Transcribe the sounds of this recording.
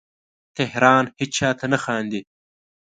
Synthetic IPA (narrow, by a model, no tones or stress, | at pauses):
t̪ehɾɑːnhit͡ʃʰaːt̪ʰɐnɐxaːnd̪i